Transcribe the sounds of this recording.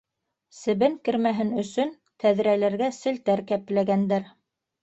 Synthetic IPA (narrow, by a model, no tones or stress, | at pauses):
sɘ̆βɘŋkɘ̆ɾmæɦɘnɵ̆sɵn | t̪æðɾælæɾɡæsɘ̆lt̪æɾkæplæɡænd̪æɾ